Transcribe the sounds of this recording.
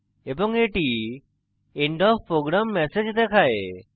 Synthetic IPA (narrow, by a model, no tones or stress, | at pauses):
ebɔŋeʈi | eɳɖɔfpːɾoɡɾamːɛsed͡ʒd̪ɛkʰae